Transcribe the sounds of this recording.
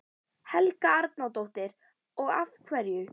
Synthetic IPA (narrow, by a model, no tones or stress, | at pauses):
hɛlkaaɾt̪nawt̪owht̪ɪɾ | ɔɣafkʰvɛɾjʏ